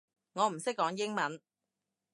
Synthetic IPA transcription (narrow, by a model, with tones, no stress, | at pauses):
ŋɔː˨˧m̩˨˩sɪ˥k̚ːɔː˨˥ŋjɪ˥ŋmɐ˨˥n